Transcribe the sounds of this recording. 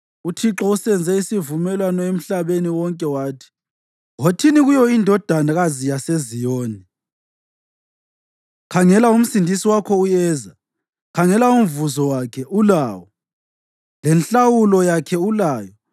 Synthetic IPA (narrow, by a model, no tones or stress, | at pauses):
utʰiǁɔusɛnd͡zʱɛisivumɛlwanɔem̩ɬaβeniwɔŋkʼɛwaːtʰi̥ | ɣotʰiniɣujɔindʱɔd̥ʱanaɣazijasezijoːni | kʰaŋɛlaum̩sindʱisiwakʰɔujɛːza | kʰaŋɛlaum̩vuzɔwakʰɛʔulaːwɔ | lɛnɬawulɔjakʰɛulaːjɔ